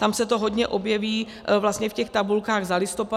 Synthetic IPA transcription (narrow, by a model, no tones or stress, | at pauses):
t̪amsɛt̪o̞ɦo̞d̪ɲɛʔo̞bjɛviː | vlast̪ɲɛfcɛxt̪abulkaːɣzalɪst̪o̞pa